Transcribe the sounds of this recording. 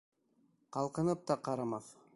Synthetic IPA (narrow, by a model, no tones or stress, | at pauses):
qɑlˠqɤ̆nɤp̚t̪ɑqɑɾɑmɑθ